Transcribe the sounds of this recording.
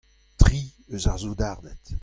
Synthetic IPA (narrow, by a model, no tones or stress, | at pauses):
tʁiøzaʁzod̪aʁdɛt̪